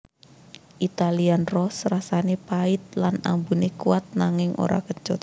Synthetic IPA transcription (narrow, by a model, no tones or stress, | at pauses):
ʔit̪alianrɔsrasanepaɪt̪̚lanambunekuat̪̚naŋɪŋʔo̰ɾa̰kəɲt͡ʃʊt̪